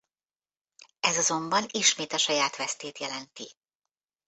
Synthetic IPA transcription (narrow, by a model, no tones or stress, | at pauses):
ɛzɒzo̞mbɒniʃmeːt̪ɒʃɒjaːt̪ʋɛst̪eːt̪jɛlɛnt̪i